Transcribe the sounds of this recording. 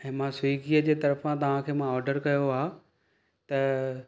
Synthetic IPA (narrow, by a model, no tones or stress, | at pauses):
ɛ̃ːmãsʊiɡiːəd͡ʑeːt̪ɐɾəfãt̪ɐʋ̤ãkʰeːmãɔːɾɖəɾkɐjoaː | t̪ɐ